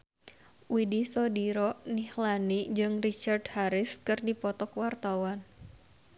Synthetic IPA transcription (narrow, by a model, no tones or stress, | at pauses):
widisɔdiɾɔnihlanid͡ʒɨŋrit͡ʃardhaɾɪskɨrdipɔt̪ɔkwart̪awan